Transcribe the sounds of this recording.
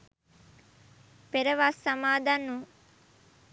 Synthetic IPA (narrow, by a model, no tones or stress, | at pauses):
peɾəʋasːɐmaːd̪anːu